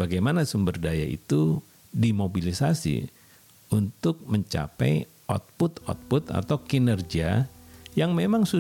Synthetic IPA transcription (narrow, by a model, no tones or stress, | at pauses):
baɡajmanasumbərdaja̰ʔḭt̪u | dimobilisasḭ | unt̪ʊk̚məɲt͡ʃa̰pɛ̰j | ɔ̰t̪̚pʊt̪ɔ̰t̪̚pʊt̪a̰t̪awkinərɡiajaŋmemaŋsu